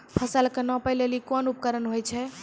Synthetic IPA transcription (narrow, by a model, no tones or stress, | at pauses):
pʰəsəlkenɔpəjlelikɔnup̚kəɾənɦojt͡ʃʰɛ